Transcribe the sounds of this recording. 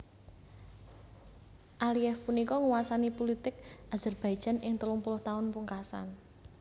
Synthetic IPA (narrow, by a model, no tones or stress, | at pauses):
ʔaliɛfpunikɔŋuwasanipulit̪ɪk̚az̥ərb̥aj̥ʒ̥a̤nʔɪŋt̪əlʊŋpulʊht̪aʊnpuŋkasa̰n